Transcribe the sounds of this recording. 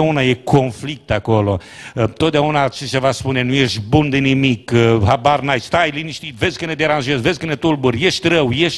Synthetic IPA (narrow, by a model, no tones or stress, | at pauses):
aunajekʰo̞nflik̚t̪ako̞lo̞ | t̪ot̪d̪aunat͡ʃet͡ʃevaspunenujeʃt̪ʲbund̪enimikɦabarnajst̪ajliniʃt̪it̪vezʲkəned̪eɾanʒezvezʲkənet̪ulbuɾjeʃt̪ʲɾəwjeʃ